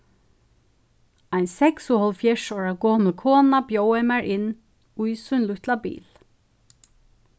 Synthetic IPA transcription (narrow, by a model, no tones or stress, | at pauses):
aɪnsɛksʊhɔlfjɛʂɔːɹakɔːməkʰɔːnapjowɛmaɹʔɪnː | ujsʊjnlʊht̪labḭːl